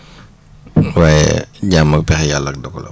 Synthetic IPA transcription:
waːjɛ̰ɟamːɐk̚pɛxɛjalːɐk̚dɔkːɔlɐ̰

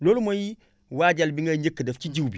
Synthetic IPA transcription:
lolmoji | wad͡ʒalbiŋɡəɲekːədəft͡ʃid͡ʒiwbi

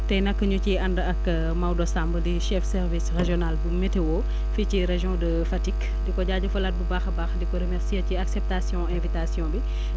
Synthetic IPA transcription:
tɐjnɐkːəɲuciɐndɐk | mɐwdɔsambədiʃɛfsɛrvisreʒjɔnalbumetewɔ | ficiɾeʒjɔ̃də | fɐtik | dikɔɟaːɟɐfɐlɐt̚bubaxbaːxdikɔɾəmɛrsiɐciaksɛp̚tasjɔ̃ɛ̃vitasjɔ̃bi

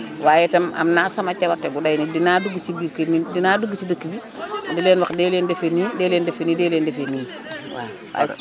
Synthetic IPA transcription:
waːjetama̰mnaːsamat͡ʃawateɡudajnidinaduɡit͡ʃibiɾkemidinaduɡit͡ʃidəkːibi | dilenwakdelendefenidelendefenidelendefeni | wa̰ | wa̰

